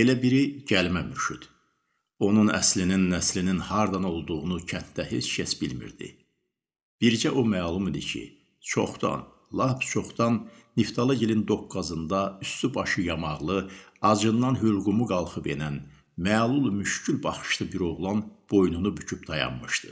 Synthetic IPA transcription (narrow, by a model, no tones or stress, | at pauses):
e̞læbiɾiɟælmæmyɾʃyd̪̥ | o̞nunæ̰slininːæslininhɑɾd̪ɑno̞lˠd̪uʁunucʰænt̪d̪æhe̞t͡ʃʰʃʰesbilmḭɾd̪ḭ | b̥iɾd͡ʒæʔomæːlˠumid̪icʰḭ | t͡ʃʰo̞̰χd̪ɑ̰n | lˠɑbt͡ʃʰo̞χd̪ɑnːift̪ʰɑlˠɯɟilind̪o̞kɡːɑzɯnd̪ɑyst̪ybɑʃɯjɑmɑʁlˠɯɑd͡ʒɯnːɑnɦylɡumuɡɑlˠχɯpenæn | mæːlˠulˠmyʃcylbɑχɯ̥ʃt̪ɯbiɾo̞ʁlˠɑnb̥o̞jnunubycʰyp̚d̪ɑjɑ̰nmɯʃt̪ɯ